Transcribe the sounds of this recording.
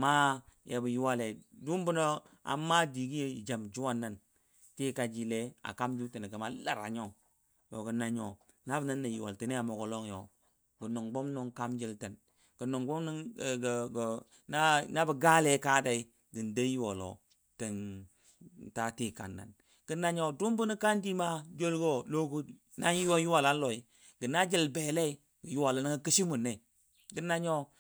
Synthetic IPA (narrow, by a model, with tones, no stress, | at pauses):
ma˦jʔa˨bə˨ju˦wa˦le˨du˦m˦bu˦no˦a̰˨mːa˦di˨ɡi˦e˦ḭ˨d͡ʒa˨md͡ʒu˦wa˦nːa˨n | ti˦ka˨d͡ʒi˨le˦a̰˨ka˦md͡ʒi˦lte˨n˨ɡə˨ma˨la˨ɾa̰˨ɲo˦ŋ | jo˨ɡə˨na˦ɲo˨ | na˦bna˦nːa˨ju˨wa̰˨ltə˨ne˦a˨mo˨ɡo˨lo˦ŋjo˨ | ɡə˨no˨ŋɡ͡bo˦mno˦ŋka˦md͡ʒi˦ltə˨n | ɡ̥ə˨no˨ŋbo˦mn˦˨ɡɡ | na˦na˦bə˨ɡa˦le˨˦ka˦da˨i˦ | ɡə˨n˨de˦ji˦wo˨lo̰˨ | tə˨n˨ | ta˦ti˦ka̰˨nːa̰˨n | ɡ̥ə˨na˦ɲo˨du˦mbu˦ni˦ka˦ndi˦ma˦d͡ʒo˦lɡo˦lo˦ɡu˦ | na˦jwo˦ju˦wa˨la˦n˦lo˨i˦ | ɡə˨na˦d͡ʒi˦˨lbe˨le˦ | ɡə˨ju˦wa˨la˨˦ni˦ŋə˦ki˦ʃi˦mu˨nːe˨ | ɡə˦na˦ɲo˦